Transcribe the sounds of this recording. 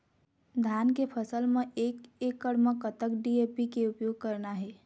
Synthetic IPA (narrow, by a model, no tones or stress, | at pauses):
d̪ʱankepʰəsəlmeekekːəɽmekət̪əkɖiepikeupjoɡ̚kəɾnaɦɛ